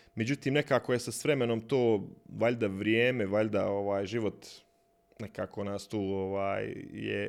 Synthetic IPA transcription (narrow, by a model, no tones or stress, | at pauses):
me̞d͡ʑut̪iːmne̞kaːkojesasʋɾe̞menomt̪oːʋaʎʲd̪aʋɾjeːmeʋaʎd̪ao̞ʋaːjʒiʋo̞t̪ | ne̞kaːkonaːst̪uːoʋaːjjḛ